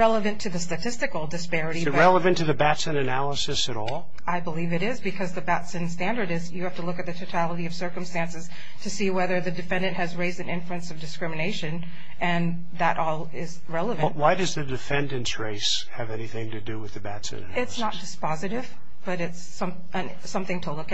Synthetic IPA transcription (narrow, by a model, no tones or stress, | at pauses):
ɹɛlˠəvɨ̃ntʰɨðɨstɨtʰɪstɨkl̩ˠdɨspɛɹɨɾiɨɹɛlˠəvɨ̃ntʰɨðɨbætsɨ̃nɨnælˠəsɨsɨɾɔlˠ | aɪbəlivɨɾɪzbɨkʰʌzðɨbætsɨ̃nstæ̃ndə˞ɾɪzjɨhæftəlʊkɨt̪̚ðɨtʰoʊtʰælˠəɾiʌv̥sɜ˞kɨ̃m̩stæ̃nsɨz̥ | tʰɨsiwɛðə˞ðɨdɨfɛ̃ndɨ̃nʔhɨzɹeɪzdɨ̃nɪ̃ɱflʉɨ̃nsʌvdɨskɹɪ̃mɨneɪʃɨ̃n | ʔɨ̃n | ðəɾʔɔlˠɪz | ɹɛlˠəvɨnwaɪdʌzðɨdɨfɛ̃ndɨ̃ntsɹeɪs | hɨvɛniθɪ̃ŋtɨdɨwɨðɨbætsɨ̰̃nɨ̰ɪtsnət̚d̥ɨspɑzɨɾɪv | b̥ʌɾɪts | ʌ̃m | ɨ̃n | sʌ̃mθɪ̃ŋtʰəlʊk